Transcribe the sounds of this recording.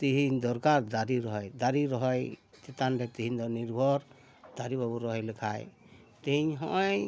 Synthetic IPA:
t̪iɦiɲd̪ɔɾkaɾd̪aɾiɾɔɦɔjd̪aɾiɾɔɦɔj | t̪ɛt̪anɖɛt̪iɦiɲd̪ɔniɾbʱɔɾ | d̪̥aɾibabuɾɔɦɔjlɛkʰaj | t̪iɦiɲɦɔ̰ʔɔj

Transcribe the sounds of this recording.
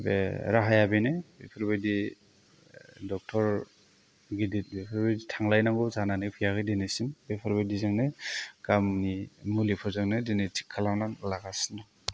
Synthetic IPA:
bḛɾaɦajabenabepʰɯɾbajdi | dɔk̚tʰɔɾ | ɡidit̚bepʰɔɾbajditʰaŋlajnaŋɡɔzananepʰijaɡɯjdenesimbepʰɔɾbajdizaŋneɡ̥amnimulipʰɔzaŋnɯdenetʰi̥kʰːalananlaɡasina

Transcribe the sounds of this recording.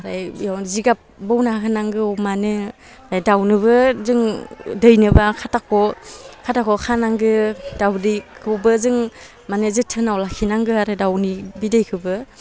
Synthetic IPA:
ɾajjawziɡap̚bɔwnaɦɯnaŋɡɯɔmanɯ | ɾajdawnɯβɯzɯŋdɯjnɯbakʰatakʰɔkʰatakʰɔkʰanaŋɡɯdawdɯkʰɯbɯzɯŋ | manɯzɯtʰɯnawlakʰinaŋɡɯaɾɯdawnibidɯjkʰɯbɯ

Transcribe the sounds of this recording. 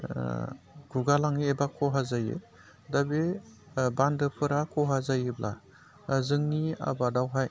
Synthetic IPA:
ɡ̥uɡalaŋeebakʰɔɦazajḛ | dabe | bandɯpʰɯɾakʰɔɦazajeblʔa̰ | zɯŋnia̰badawɦaj

